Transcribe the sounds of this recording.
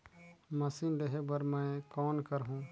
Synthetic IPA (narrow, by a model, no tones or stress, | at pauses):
mɐsinɖeɦebəɾmɛ̃kɔːnkəɾɦũː